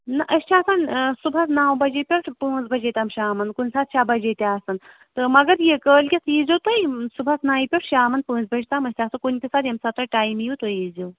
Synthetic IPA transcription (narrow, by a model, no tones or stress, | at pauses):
nɐʔɐst͡ʃʰaːsansubʱɐsnaːwbɐd͡ʒepʲɐʈʰpə̃ːzbɐd͡ʒet̪aːmʃaːmɐnkunʲsaːt̪̚ʃʰabɐd͡ʒet̪ʲaːsɐn | t̪ɨmɐɡɐɾjekəːlkʲisʰiːzʲot̪ɐjsubʱɐsnaːjipʲɐʈʰʃaːmɐnpə̃ːnzbɐd͡ʒit̪aːmɐsʲt̪ʰʲaːsɐkunʲkʲisaːd̪jɐmsɐt̪ɐʈaːjmjut̪oiːzow